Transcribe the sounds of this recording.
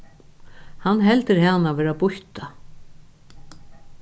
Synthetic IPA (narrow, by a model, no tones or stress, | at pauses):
hanːɦɛlt̪ɪɾhaːnavɛːɾabʊht̪a